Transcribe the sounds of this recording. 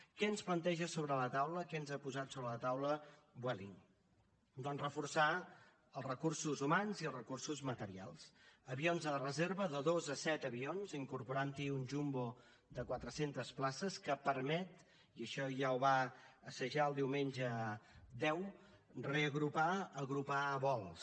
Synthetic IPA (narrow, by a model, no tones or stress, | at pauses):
kɛənsplənt̪ɛʒəsoβɾələt̪awləkɛənzapuzat̪soβɾələt̪awləbwɛlḭŋ | d̪ɔnrəfursa | əlˠrəkursuzumanziəlˠrəkursuzmət̪əɾia̰lˠsəβionzəlrəzeɾβəðəðozəsɛt̪əβionziŋkuɾpuɾant̪iunʲʒumbo | d̪əkwat̪ɾəsent̪əsplasəskəpəɾmɛt̪ | iəʃɔʒawβaəsəʒaəlˠd̪iwmenʲd͡ʒəd̪ɛw | reəɣɾupaəɣɾupaβɔlˠs